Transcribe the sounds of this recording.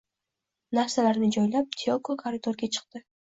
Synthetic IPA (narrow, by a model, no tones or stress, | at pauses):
nafsalaɾnɪd͡ʒɒjlap̚t̪ʰiokokʰaɾɪt̪ʰoɾɡʲat͡ʃʰɨ̥q̚t̪ɪ